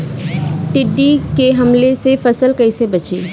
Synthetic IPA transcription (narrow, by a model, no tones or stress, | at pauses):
ʈɪɖikeɦɐmlesefɐsəlkɐisebɐt͡ʃiː